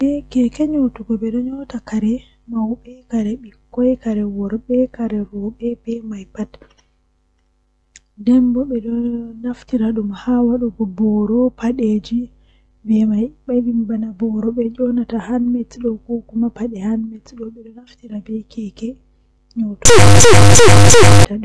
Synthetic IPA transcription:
bɛkɛkɛɲotuɡɔɓɛɗɔɲɔtakaɾɛ | mawɓɛkaɾɛɓikːɔjkaɾɛwɔɾɓɛkaɾɛɾɔɓɛbɛmajpat | dɛmbɔɓɛɗɔnaftiɾaɗumhawaɗɔɡɔbɔɾɔpaɗeːd͡ʒi | bɛmajɓajbimbanabɔɾɔɓɛd͡ʒɔnatahanmɛtɗɔkɔkumapaɗɛhanmɛtɗɔɓɛɗɔnaftiɾabɛkʰɛkɛ | ɲɔwtɔ | taɗu

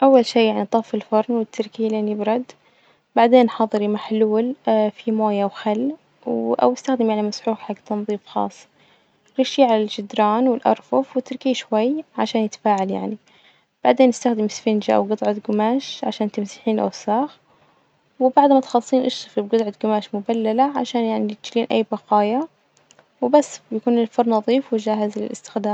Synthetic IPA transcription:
ʔawːalʃiːjaʕnit̪ˤɑfɪlfɑɾˤnwɪt̪ːɪɾkiːlenibɾˤɑd̪ː | baʕd̪eːnħɑːðˤɨɾimaħluːlfimoːjawxalː | wʔa̰wɪst̪axd̪ɪmjaʕnimasħuːħħaɡt̪ɑnðˤiːfxɑ̰ːsˤː | ɾɑʃiʕalalʒɪd̪ɾɑːnwɪlʔɑ̰ɾˤfʊfwɪt̪ːɪɾkiːʃwajʕaʃaːnjɪt̪ḁfaːʕalja̰ʕni | b̥aʕd̪eːnːɪst̪axd̪ɪmɪsfɪnd͡ʒaʔa̰wɡɨt̪ˤʕɑt̪ɡʊmaːʃʕaʃaːnt̪ɪmsiħiːnʔa̰wsaːx | wɪbaʕd̪mat̪xɑlːsˤiːnʔɑʃtɨfibɡɑd̪ˤʕɑt̪ɡʊmaːʃmʊbalːalaʕa̰ʃaːnjaʕnit̪d͡ʒliːnʔa̰jːbɑqɑːja | wɪbasːbjakuːnɪlfɑɾˤnɑðˤiːfwɪʒaːɦɪzlɪ̰lʔɪ̰st̪ɪ̥xd̪aːm

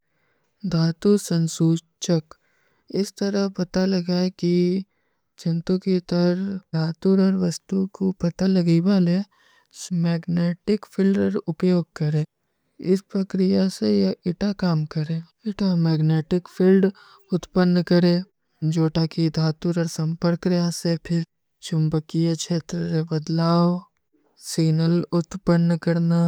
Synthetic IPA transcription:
d̪ʱaːt̪usə̃nsuː | t͡ʃək | ɪst̪ɐɾəɦpɐt̪alɐɡaki | t͡ʃʰɐ̃nt̪õkit̪əɾd̪ʱaːt̪uɾɔɾʋɐst̪ukopɐt̪alɐɡibaːle | mɛːɡneːʈɪkpʰɪlɖəɾʊpjoːɡ̚kɐɾẽː | ɪspɾɐkɾɪjasejɪʈakaːmkəɾẽː | ɪʈamɛːɡneːʈɪkpʰɪlɖ | ʊt̪pənːkəɾẽː | d͡ʒoːʈakid̪ʱaːt̪uɾɔːɾsɐ̃mpəɾkɾjasepʰɪɾ | t͡ʃʊmbəkijakt͡ʃʰeːt̪ɾəɾebəd̪laːo | siːnəlʊt̪pənːkɐɾna

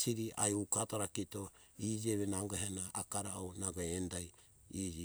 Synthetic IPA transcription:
siɾiʔa̰jukataɾakito | id͡ʒieβenaɡaɦanaʔːkaɾaʔonaɡoendaj | id͡ʒi

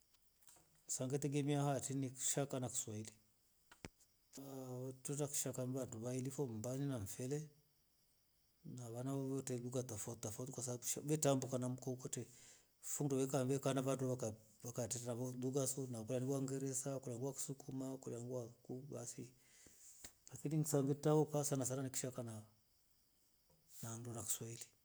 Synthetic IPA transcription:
saŋɡɛtɛɡɛmiahatiniku̥ʃakanaku̥swaili | tɔnaku̥ʃakaniβanduβailifɔmbaninaɱfɛlɛ | naβanaβɔβɔtɛluɡatɔfattɔfautikwasaʃaɓɛtambukanam̩kɔukɔtɛ | fundɔβɛkambɛkanaβanduβaka | βakatɛtanaβɔluɡasɔnakulaniɡwaŋɡɛɾɛsakulaŋɡuwaku̥sukumakulaŋɡuwakubasi | lakininsaŋɡitaɔkasanasaɾaniki̥ʃakana | nandunaki̥swaili

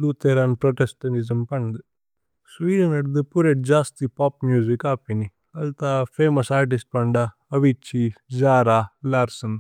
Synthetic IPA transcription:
luːt̪eːɾaːnpɾoʈesʈɐnizɐmpɐɳd̪ɨ | sʋiːɾɐnɐɽd̪ɨpuɾeʈ̚d͡ʒaːst̪ipaːpmjuːzikaːpini | ɐlt̪aːpʰeːmɐsaːɾʈ̬isʈ̚pɐɳɖa | ɐʋit͡ʃːid͡ʒaːɾaːlaːɾsɐn

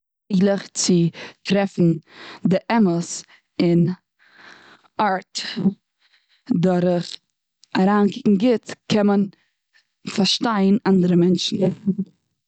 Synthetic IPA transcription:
ilˠəχt͡sɪtɾɛfn̩dɪʔɛməs | ɪn | aɾt | dɔɾəχ | aɾaːnkɪkŋ̩ɡɪtkʰɛmən | faɾʃtaɪənandəɾəmɛnʃn̩

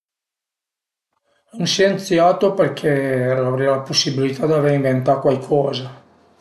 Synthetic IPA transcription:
anʃent̪sjaːt̪operkʰelavɾɛalaposːibilit̪ad̪iaveɾiɱvent̪aokwalkʰɔːza

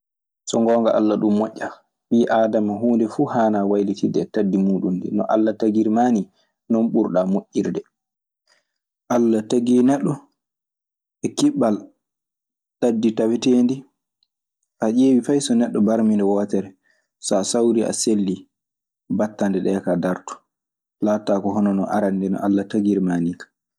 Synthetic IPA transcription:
sɔŋɡɔːŋɡaʔa̰lːaɗumːɔʔʲːa | ɓiːʔaːdamaɦuːndɛfuːhaːnawajlitidɛtadːimuːɗundḭnɔ̰ʔa̰lːataɡiɾmani | nɔnɓuɾɗamoʔːiɾdɛ | ʔalːataɡiːnɛɗːɔ | ɛkiɓːal | tadːitawɛteːndi | ʔaʔeːwifajsɔnɛɗːɔbaɾmindɛwɔtɛɾɛ | sɔsawɾiʔa̰selːi | batːandɛɗɛːkadaɾtu̥ | laːtakɔɦɔnɔnɔ̰ʔaɾandɛnɔ̰ʔalːataɡiɾmaːnikḁ

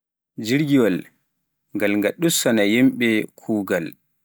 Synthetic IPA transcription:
d͡ʒiɾɡiwɔl | ŋɡalŋɡaɗːusɔnajimɓɛkʰuːɡal

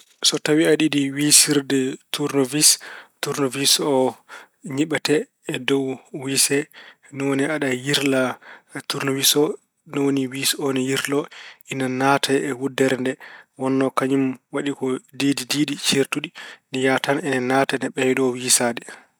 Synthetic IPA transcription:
sɔtawiaɗidiwisiɾdɛtuɾnovistuɾnovisɔ | ɲiɓatɛː | dɔwwisɛ | nɔwoniaɗajiɾlatuɾnovisɔ | nɔwoniwisɔnɛjiɾlɔʔinanatʰaɛwudːɛɾndɛwɔnːɔkaɲumwaɗikɔdididiːɗit͡ʃeɾtuɗinijatanɛnɛnatanɛɓɛjɗɔwisadɛ

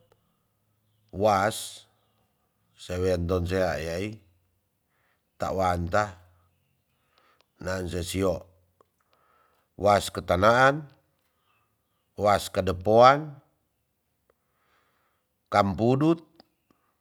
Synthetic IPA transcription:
was | ewɛnt̪ɔnseajai | t̪a̰ʔwant̪a | naːnsesiɔʔ | waskət̪anaan | waskadəpoan | kampudut̪̚

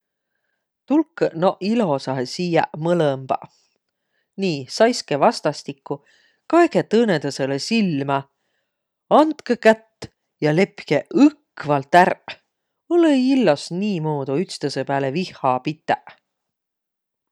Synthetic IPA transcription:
t̪ulkːnoʔilo̞sɑɦesiːjɑ̰ʔmɤləmb̥ɑ̰ | niːsɑjskevɑst̪ɑst̪ikːˑu | kɑeɡet̪ɤːned̪̥ɑse̞lesilmɑ | ɑnt̪kekæt̪ː | jɑle̞pkeɯkːvɑlt̪ærp | oleilːosniːmoːd̪uyt̪st̪ɑsepæːlevihɑpit̪ˑːæʔ

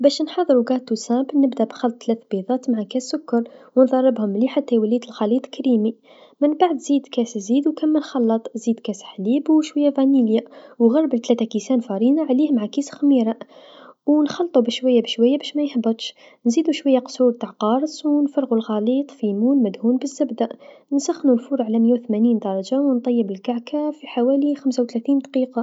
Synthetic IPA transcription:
bæʃnħɑd̪ˤəɾuɡɑt̪ːusæbnəbd̪æʔbxɑlt̪̚ˤːlæt̪biðˤɑt̪maʕakæsːʊkːɑɾˤwnd̪ˤɑrˤːəbhʊmliħat̪ːæwəlit̪əlxɑlit̪ˤkɾimi | mənbaʕd̪zid̪kæszid̪wkæmːənxɑlːɑt̪ˤzid̪kæsħlibwʃwæjːævæniljawɣɑrˤːəbəlt̪læt̪ækisænfɑɾinaʕlihmʕakisxmiɾˤɑ | wnxɑlt̪ˤubəʃwæjːabəʃwæjːabæʃmæjħbət̪ˤʃ | nzid̪uʃwæjːaqsuɾt̪aʕqɑɾˤswnfɑrˤɣulɣɑlit̪ˤfimunməd̪hunbəzːæbd̪æʔnənsæxnunfuɾˤʕalæməjːawt̪mæniːnd̪ɑɾˤɑd͡ʒawnt̪ˤɑjːəbəlkaʕkʰafiħawælixæmsawt̪læt̪iːnd̪qiqɑ

